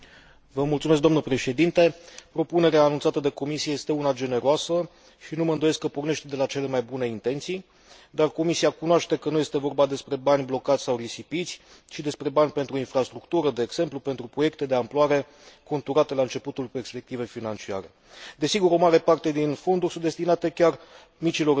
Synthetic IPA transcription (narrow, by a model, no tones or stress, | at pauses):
vəmult̪sumes̬kd̪amnəpɾe̞ʃe̞d̪int̪e̞pɾo̞pune̞ɾeaːnunt̪sat̪əd̪e̞ko̞misijeje̞st̪e̞unad͡ʒe̞ne̞ɾoasə | ʃinuməɨnd̪oe̞skːəporne̞ʃt̪ed̪e̞lat͡ʃe̞le̞majbune̞int̪e̞nt̪sij | d̪arko̞misiakunoaʃt̪e̞kənuje̞st̪e̞vo̞rbad̪e̞spɾe̞banʲblo̞kat̪sʲsawrisipit̪sʲ | ʃid̪e̞spɾe̞banʲpe̞nt̪ɾuinfɾast̪ɾukt̪uɾəd̪eːɡz̥e̞mplupe̞nt̪ɾupɾo̞je̞k̚t̪e̞d̪e̞amploaɾe̞ | ko̞nt̪uɾat̪e̞laɨnt͡ʃe̞put̪ulpe̞rspe̞k̚t̪ive̞jfinant͡ʃia̰ɾe̞̰ | d̪e̞siɡuɾo̞maɾe̞part̪e̞d̪info̞nd̪urʲsud̪est̪inat̪e̞kʲar | mit͡ʃilo̞